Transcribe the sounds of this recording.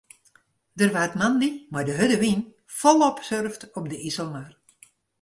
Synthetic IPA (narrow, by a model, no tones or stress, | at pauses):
dərʋaətmandimajdəɦødəʋin | fɔlˠɔpsørftɔp̚dəisəlˠmar